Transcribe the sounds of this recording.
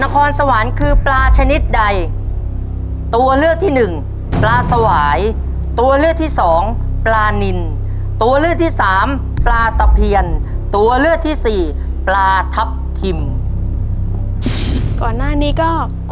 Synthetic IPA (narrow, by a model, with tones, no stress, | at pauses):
na˦˧kʰɔː˧nsa˧wa˩˦nkʰɯː˧plaː˧t͡ɕʰa˧ni˦˥t̪̚da˧j | t̪u˧ɐlɯ˥˩ək̚t̪ʰiː˥˩nɯ˨˩ŋ | plaː˧sa˧waː˩˦j | t̪u˧ɐlɯ˥˩t̪ʰiː˥˩sɔː˩˦ŋplaː˧ni˧n | t̪u˧ɐlɯ˥˩ək̚t̪ʰiː˥˩saː˩˦m | plaː˧t̪a˧pʰi˧ən | t̪u˧ɐlɯ˥˩ək̚t̪ʰiː˥˩siː˨˩ | plaː˧t̪ʰa˦˥p̚t̪ʰi˧m | kɔː˨˩nːaː˥˩niː˦˥kɔː˥˩